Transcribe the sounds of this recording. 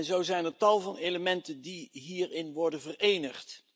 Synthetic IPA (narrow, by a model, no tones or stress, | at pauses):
nzowzɛjnətɑlˠvɑnejləmɛntəndiɦiːrɪnʋɔɹdənvərejnəχt